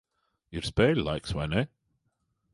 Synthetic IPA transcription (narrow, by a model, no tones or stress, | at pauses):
jəɹspɛlˠa̰ɪkswɛ̃nɪ